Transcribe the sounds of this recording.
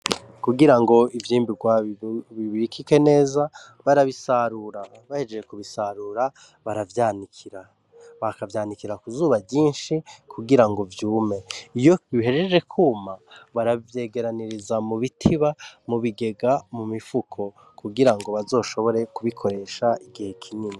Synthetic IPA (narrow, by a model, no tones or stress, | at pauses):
kuɡiɾaŋɡo̞ivjiːmbiɡwaβiβiɾikikene̞ːza | βaɾaβisaɾuɾa | βahe̞d͡ʒed͡ʒekuβisaɾuːɾa | βaɾavjaːnikʰiɾa | βakavjaːnikiɾakuzuːβaɟɟiːnʃikʰuɡiɾaŋɡo̞vjuːme̞ijo̞iɦeɾe̞d͡ʒe̞kʰuːmaβaɾavje̞ɡe̞ɾaniɾizamuβitʰiβamuβiɡe̞ɡamumifukʰo̞ | kʰuɡiɾaŋɡo̞βazo̞ːʃo̞βo̞ɾe̞kuβikʰo̞ɾe̞ʃaʔiɡihe̞kʰiɲini